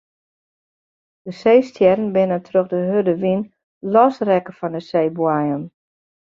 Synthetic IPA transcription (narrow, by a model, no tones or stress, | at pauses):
d̥əseːstjɛɾənbɪnətʰrøxdəɦødəʋin | lɔsrɛkəfɔndəseːbwajən